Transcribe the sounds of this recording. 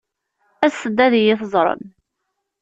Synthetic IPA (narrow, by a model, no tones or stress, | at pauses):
æsəd̪ːæðjɪθəzˤɾˤə̰n